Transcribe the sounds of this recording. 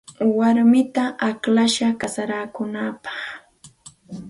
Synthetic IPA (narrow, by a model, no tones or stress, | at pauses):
waɾmɪt̪aʔaklaʃakasaɾaːkʊnaːpḁχ